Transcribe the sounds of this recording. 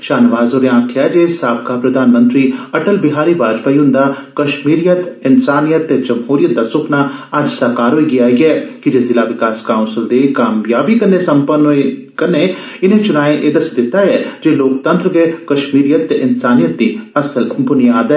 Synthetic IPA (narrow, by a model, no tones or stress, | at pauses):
ʃaːnʋaːzoːɾeãːkʰjaːd͡ʒeːsaːb̚kapɾɐd̪ʱaːnmə̃nt̪ɾiɐʈəlbɪɦaːɾibaːd͡ʒpaːiɦʊ̃nd̪akɐʃmiːɾijət̪ɪnsaːnijət̪ːed͡ʒɐmɦuːɾijət̪̚d̪asʊkʰnaad͡ʒsɐkaːɾɦoːiɡɪjaːɡɛːkid͡ʒezɪlaʋɪkaːskaːʊ̃nsɪld̪ekaːmjaːbikɐɾnesɐ̃mpənoe | kɐɾne | ɪnẽt͡ʃʊnaːẽʔeːd̪ɐsd̪ɪt̪aɛd͡ʒeloːk̚t̪ə̃nt̪ɾəʋekɐʃmiːɾijət̪ːeʔɪnsaːnijət̪̚d̪ĩɐsəlbʊnijaːd̪ɛ